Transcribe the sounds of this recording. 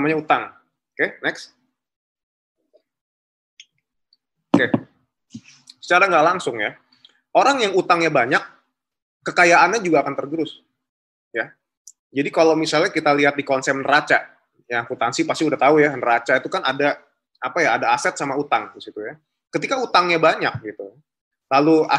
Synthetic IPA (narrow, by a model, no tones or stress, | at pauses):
amaɲaut̪aŋ | okenɛks | oke | sə̥t͡ʃaɾaŋɡaʔlaŋsʊŋja | oɾaŋjaŋut̪aŋɲabaɲakː | əkajaʔanɲad͡ʒuɡaːkant̪ərɡəɾʊs | ja | d͡ʒadikalowmisalɲakit̪aliɦat̪̚dikɔnsɛp̚nərat͡ʃa | jakut̪ansipast̪iudaht̪aujanəɾat͡ʃait̪ukanada | apajaːdaːsɛt̪̚samaut̪aŋdisit̪uja | kət̪ikaut̪aŋɲabaɲak̚ɡit̪u | lalua̰